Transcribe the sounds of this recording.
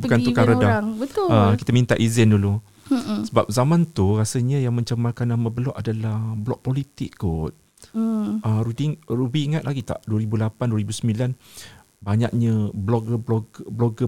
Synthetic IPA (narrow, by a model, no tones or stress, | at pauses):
bukanukaɾədaət̪əkit̪amĩnt̪aʔizɪndulu | səbap̚zamãnt̪urasəɲəjaŋmãɲt͡ʃamːarkanaməbəlɔʔadalahblɔk̚polit̪ɪk̚ɡʊt̪̚ | ʔəɾubiŋrubiːŋat̪̚laɡit̪a̰ʔduəɾibulapanduəɾibusəmilan | baɲa̰k̚ɲəblɔɡəblɔɡblɔɡə